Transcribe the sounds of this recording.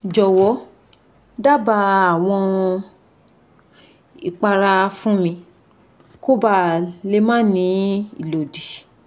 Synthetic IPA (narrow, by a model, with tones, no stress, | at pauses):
d͡ʒɔ˨wɔ˨˦ | da˦˨ba˧a˨w̃ɔ̃˧ | i˨k͡pa˧ɾa˧fũ˦mĩ˧ | ko˦ba˦˨le˧˦mã˦˨nĩ˨˧˦ḭ˨lo˨di˨